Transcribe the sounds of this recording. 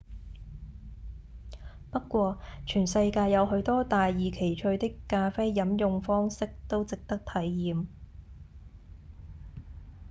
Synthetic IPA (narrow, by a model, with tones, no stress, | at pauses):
pɐ˥tkːʷɔː˧t͡ʃʰyː˨˩nsɐ˧jkaː˧jɐ˨˧whɵ˨˧˥ɥt̪ɔː˥t̪aː˨jːiː˨˩kʰe˨˩jt͡ʃʰɵ˧ɥt̪ɪ˥kːaː˧fe˥jːɐ˨˥mjʊ˨˧ŋfɔː˥ŋsɪ˥k̚t̪o˥wt͡sɪ˨k̚t̪ɐ˥k̚t̪ʰɐ˨˥jːiː˨˧m